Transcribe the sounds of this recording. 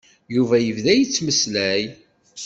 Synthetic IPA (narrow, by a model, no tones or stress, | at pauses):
juvæjəvðæjət͡sːməslæj